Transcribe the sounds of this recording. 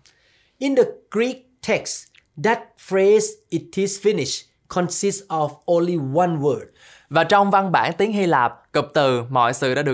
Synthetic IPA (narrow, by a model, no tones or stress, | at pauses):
ʔĩndəɡ̥ɹik̚tʰɛks | dɛt̚fɹezitʰizfinɪʃ | kʰɔ̃nsistsɔvõnliwãnwəd̚ | vaːt͡ɕɔwŋ͡mvanɓa̰ːnt̪iəŋhilaːp̚kəp̚t̪ɨmɔ̰jsɨ̰ɗa̰ːɗə